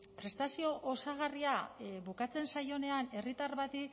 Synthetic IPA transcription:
pɾe̞st̪asio̞ʔosaɣ̞ariaβukat͡se̞nsajo̞ne̞ane̞rit̪aɾβat̪i

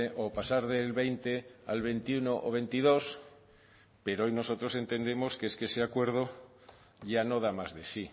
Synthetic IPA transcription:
eʔopasaɾðe̞lβejnt̪e̞a̰lβe̞nt̪iunoʔo̰βe̞nt̪iðo̞s | pe̞ɾoojno̞so̞t̪ɾo̞se̞nt̪e̞nd̪e̞mo̞skeeskeese̞akwe̞ɾð̞o | ʝano̞ð̞amazðe̞si

